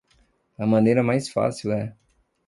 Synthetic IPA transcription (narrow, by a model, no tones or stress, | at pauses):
ɐmɐ̃nejɾɐmajsfa̰siwɛ